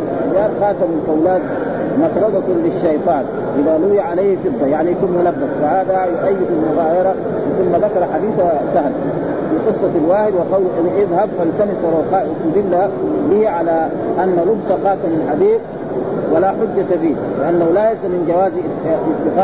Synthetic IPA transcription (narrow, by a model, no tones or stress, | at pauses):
jaːlxaːt̪amalfawlaːt̪̚ | mɑt̪ɾˤɑbakulːiʃːɑjt̪ˤɑːn | ʔiðaluwaʕalajhifɪd̪ˤːajaʕniθumːalabːasfaʕaːd̪awiʔajːafilmʊɣaːjɑɾˤɑ | wiθumːaðakɑɾˤɑħad̪iːθasahl | fiqɨsˤːɑalwaːhid̪wiqɑwlʔʔɪðhabfalt̪anisˤɑɾˤuqaːʔʔʊsuːd̪ilːabihiʕala | ʔanːalʊbsɑxaːt̪amalħabiːb̚ | walaħʊd͡ʒːat̪abiː | liʔanːahulajasamind͡ʒawaːzɪt̪ːɪqa